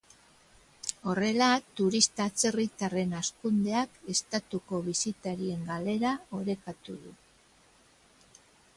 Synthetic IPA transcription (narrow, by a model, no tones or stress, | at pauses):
o̞re̞lat̪uɾist̪at͡se̞rit̪are̞naskund̪e̞ake̞st̪at̪uko̞βisit̪aɾie̞ŋɡale̞ɾao̞ɾe̞kat̪uðu